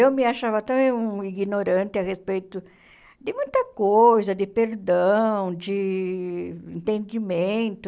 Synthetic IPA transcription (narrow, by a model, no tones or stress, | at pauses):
ewmɪaʃavɐt̪ɐ̃ẽũiɡinoɾɐ̃nt̪ɪɐʁespejt̪ʊ | d̪ɪmũj̃t̪ɐkojzɐd̪ɪpeɾd̪ɐ̃w̃d͡ʒɪ | ẽnt̪ẽnd͡ʒimẽnt̪ʊ